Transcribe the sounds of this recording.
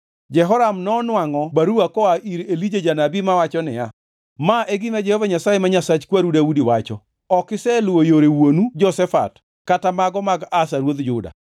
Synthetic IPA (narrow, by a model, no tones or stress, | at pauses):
d͡ʒɛɦɔɾamnɔnwaŋɔbaɾuakɔaʔiɾelid͡ʒed͡ʒanabimawat͡ʃɔnɪ̰ja | maʔɛɡɪmad͡ʒɛhovaɲasajemaɲasat͡ʃkwaɾudaudiwat͡ʃɔ | ɔkɪsɛlwojoɾewonud͡ʒɔsɛfa̰t | katamaɡɔmaɡasaɾwod̪d͡ʒʊda̰